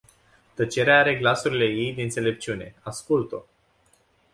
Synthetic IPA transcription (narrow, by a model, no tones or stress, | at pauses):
t̪ət͡ʃe̞ɾeaaɾe̞ɡlasuɾile̞je̞jd̪eɨnt̪sele̞p̚t͡ʃiune̞̰askult̪o